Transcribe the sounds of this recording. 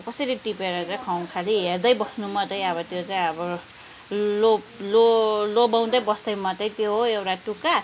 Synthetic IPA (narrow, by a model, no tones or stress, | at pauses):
kʌsʌɾiʈipeɾʌt͡saj̃kʰaw̃kʰaliɦerd̪ʌjbʌsnumʌt̪ʌj̃ʌβʌt̪jot͡saj̃ʌbʌ | lo | lolobaw̃d̪ʌjbʌsd̪ʌjmʌt̪ʌj̃t̪joɦoewʈaʈuka